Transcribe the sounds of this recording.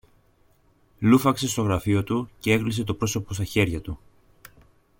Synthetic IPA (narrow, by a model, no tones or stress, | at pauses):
lufɐkse̞st̪o̞ɣɾɐfio̞t̪uce̞e̞klis̬e̞t̪o̞pɾo̞so̞po̞st̪ɐçe̞ɾʝɐt̪u